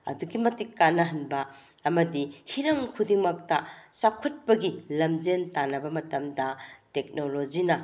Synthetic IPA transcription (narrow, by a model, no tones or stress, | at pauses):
ɐ̰duɡimɐtikːanːɐɦɐnbɐ | ɐmɐdihiɾɐŋkʰudiŋmɐk̚tɐsakʰut̚pɐɡilɐmd͡ʒentanɐbɐmɐtɐmdɐtek̚nolod͡ʒinɐ